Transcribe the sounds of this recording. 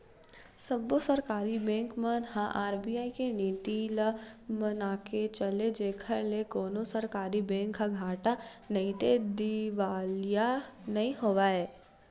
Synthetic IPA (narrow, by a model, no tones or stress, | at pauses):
səbosəɾkaːɾibɛ̃ːŋkmənɦãʔaːɾbijaːikeniːt̪iləmənaːket͡ʃəled͡ʒeːkʰəɾlekoːnosəɾkaːɾibɛ̃ːŋkːaɡʱaːʈanɐĩt̪ed̪iʋaːlijanɐɦĩɦoːʋaːɛː